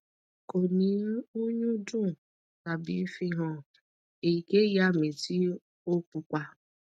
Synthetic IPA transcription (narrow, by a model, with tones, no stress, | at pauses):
ko˨ni˨˦u˦ɲu˦du˦˨ | ka˨bḭ˨˦fi˦ɦɔ˦˨ | e˨i˨ke˦ja˦me˨ti˦ | o˦k͡pu˨kʷa˦